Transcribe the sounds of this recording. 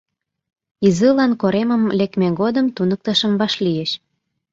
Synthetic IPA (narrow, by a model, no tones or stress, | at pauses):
izɨlɑnkoɾeməmlekmeɡod̪əmt̪unək̚t̪ə̆ʃə̆mβɑʃlijeʃ